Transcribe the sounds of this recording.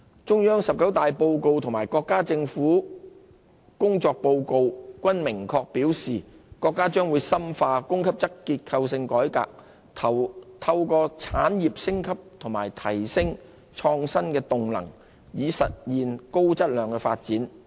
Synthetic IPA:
t͡ʃʊ˥ŋjœː˥ŋsɐ˨p̚kɐ˨˥wt̪aː˨jpo˧wko˧wt̪ʰʊ˨˩ŋmaː˨˩jkɔː˧kːaː˥t͡sɪ˧ŋfuː˨˥ | kʊ˥ŋt͡sɔː˧k̚po˧wko˧wkʷɐ˥nmɪ˨˩ŋkʰɔː˧k̚piː˨˥wsiː˨˩ | kɔː˧kːaː˥t͡ʃœː˥ŋwuː˨˧jsɐ˥mfaː˧kʊ˥ŋkʰɐ˥p̚t͡sɐ˥kkiː˧t̚kʰɐ˧wsɪ˧ŋkɔː˨˥jka̰ː˧k̪̚ʰ | t̪ʰɐ˧wkɔː˧t͡sʰaː˨˥njiː˨p̚sɪ˥ŋkʰɐ˥p̚t̪ʰʊ˨˩ŋma̰ː˨˩jt̪ʰɐ˨˩jsɪ˥ŋ | t͡ʃʰɔː˧ŋsɐ˥nkɛː˧t̪ʊ˨ŋlɐ̰˨˩ŋ | jiː˨˧sɐ̰˨t̚jiː˨nko˥wt͡sɐ˥t̚lœː˨˧ŋkɛː˧fa̰ː˧t̚t͡siː˨˥n

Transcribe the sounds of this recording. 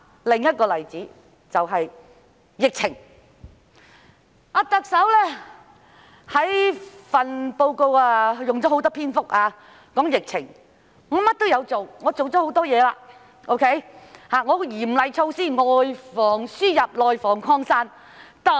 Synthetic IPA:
lɪ˨ŋjɐ˥t̚kɔː˧lɐ˨˩jt͡siː˨˥ | t͡sɐ˨wɦɐ˨j | jɪ˨k̚t͡sʰɪ˨˩ŋ | aː˨˧t̪ɐ˨k̚sɐ˨˥wlɛː˥ | hɐ˨˥jfɐ˨npo˧wko˧waː˧jʊ˨˩ŋt͡sɔ˨˦˥o˨˥wt̪ɔː˥pʰiː˥nfʊ˥k̚ʔaː˧ | kɔː˨˥ŋjɪ˨k̚t͡sʰɪ˨˩ŋ | ŋɔː˨˧mɐ˥t̚t̪o˥wjɐ˨˧wt͡so˨wŋɔː˨˧t͡so˨wt͡sɔ˨˦˥ho˨˥wt̪ɔː˥jɛː˨˧laː˧ | ʔo˥wkʰe˦˥jhaː˨˩ŋɔː˨˧jiː˨˩m˨lɐ˨jt͡sʰo˧wsiː˥˩nŋɔː˨jfɔː˨˩ŋsyː˥jɐ˨p̚lɔː˨jfɔː˨˩ŋkʰɔː˧ŋsaː˥n | t̪aː˨

